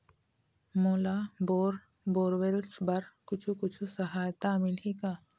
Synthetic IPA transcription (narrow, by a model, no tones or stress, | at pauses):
moːlaboːɾ | boːɾʋelsbɐɾkʊt͡ʃʰukʊt͡ʃʰusəɦaːjt̪amɪlɦikaː